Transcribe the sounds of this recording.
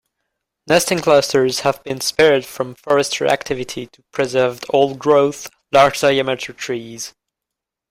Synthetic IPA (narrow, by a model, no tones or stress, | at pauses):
nɛstɪ̃ŋkʰl̥ʌstə˞z̥həvbɨ̃nspɛɹd̥fɹʌ̃ɱfɔɹɨstʰə̰˞æ̰k̚tʰɪvɨɾʰitʰəpʰɹ̥ɨzɜ˞vɔolˠɡɹoʊθ | lɑɹd͡ʒdaɪæmɪɾə˞tʰɹ̥iz̥